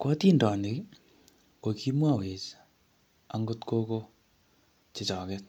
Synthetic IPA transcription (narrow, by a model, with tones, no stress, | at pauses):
kɔ˦ti˦ndɔ˨nde˨ | ko˨ki˦mwa˦˨we˨t͡ʃ | a˨ŋɡo˦tko˦ko˦ | t͡ʃɪ˨t͡ʃɔ˨kɛ˦t̚